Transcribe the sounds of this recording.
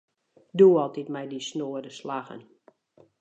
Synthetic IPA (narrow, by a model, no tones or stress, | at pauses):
duːɔlˠtitmɛjdisnoədəslaɣə̰n